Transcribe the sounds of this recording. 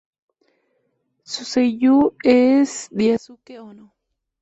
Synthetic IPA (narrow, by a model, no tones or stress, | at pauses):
susejuesd̪iasukeʔono